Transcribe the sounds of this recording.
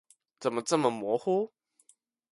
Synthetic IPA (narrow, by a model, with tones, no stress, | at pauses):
t͡sə˨˩mə˨t͡sə˥˩mə˨mwɔ˧˥xu˥